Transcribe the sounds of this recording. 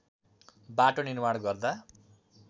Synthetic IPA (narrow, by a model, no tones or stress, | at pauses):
baʈonirmaɽɡʌrd̪a